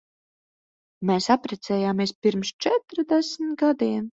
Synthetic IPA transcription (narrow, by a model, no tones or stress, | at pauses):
mɛːsapɾɛt̪sʲɛːjaːmʲiɛspʲiɾmst͡ʃɛt̪ɾd̪ɛsmt̪ɡad̪iɛn